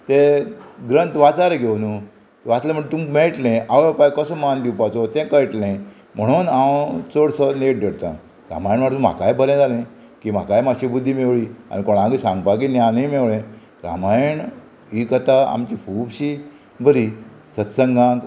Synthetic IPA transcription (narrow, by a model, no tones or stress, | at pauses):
t̪eɡɾənt̪ʋat͡saɾɡʱewnu | ʋat͡slẽməɳt̪umkmeɭʈlẽʔaʋpajkəsɔmand̪iwpat͡sot̪ɛ̃kəjʈlẽ | m̤əɽ̃uːnãwt͡soɽsəneʈ̚ɖʱeɽt̪ã̰ | ɾa̰majəɳʋaʈt̪ũm̤a̰kajbʱəɾẽd͡zalẽ | kiːm̤a̰kajmaɕibud̪ʱːiːmewɭiːa̰nikoɽ̃ãŋɡisãŋɡpaɡiːnjanemewɭẽ | ɾa̰majəɳ | ikət̪aa̰mt͡ɕiːpʰuːbɕiː | bʱəɾisət̪səŋɡãk̪